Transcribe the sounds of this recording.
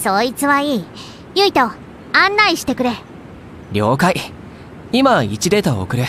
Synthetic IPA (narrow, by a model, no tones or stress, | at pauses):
so̞ːit͡sɨβaiː | jɯit̪o̞ | ãnːaiɕi̥t̪e̞kɯ̟ɾe̞ | ɾʲo̞ːkai | imait͡ɕid̪e̞t̪aoo̰kɯ̟ɾe